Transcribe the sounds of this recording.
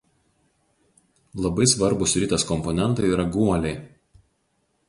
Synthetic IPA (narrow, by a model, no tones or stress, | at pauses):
lˠɐbɐɪsʋɐɾbʊsɾʲɪːt̪ʲɐskɔmpɔnʲɛnt̪ɐɪiːɾɐɡuɔlʲɛɪ